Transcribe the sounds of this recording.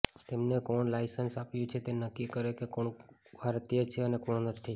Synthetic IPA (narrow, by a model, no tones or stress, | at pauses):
t̪emnekoɳlaɪsənsapjũt͡ʃʰet̪enəkːikəɾekekoɳbʱaɾt̪ijət͡ʃʰeənekoɳ̃onət̪ʰi